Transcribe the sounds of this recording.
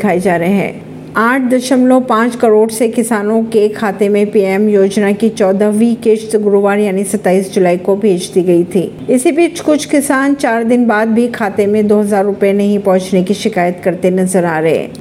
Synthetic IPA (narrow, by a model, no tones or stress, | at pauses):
kʰaːid͡ʒaːɾɐɦeɦɛ̰̃ː | aːʈ̚ʰd̪ɐʃəmlõpãːt͡ʃkɐɾoːɖsekɪsaːnõkekʰaːt̪emẽpiːɛmjoːd͡ʒnakit͡ʃɔːd̪əʋiket͡ʃsɡʊɾoːʋaːɾjaːnisɐt̪ːaːiːsd͡ʒʊlaːikobʱeːd͡ʒt̪iɡɐit̪ʰiːɪsibiːt͡ʃʰkʊt͡ʃʰkɪsaːnt͡ʃaːɾd̪ɪnbaːd̪̚bʱikʰaːt̪emẽd̪oːɦɐzaːɾːʊpjenɐɦĩpɔ̃ɦʊ̃t͡ʃnekiʃɪkaːjət̪kɐɾt̪enɐzəɾaːɾɐɦḛ̃ː